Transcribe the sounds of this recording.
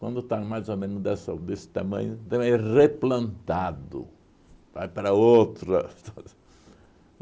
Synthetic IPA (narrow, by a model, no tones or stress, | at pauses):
wɐ̃nd̪ʊt̪amajzomẽnʊzd̪ɛsɐd̪esɪ̥t̪amɐ̰̃ɲʊt̪ɐ̃mẽreplɐ̃nt̪ad̪ʊ̰ | va̰jpaɾɐowt̪ɾɐt̪a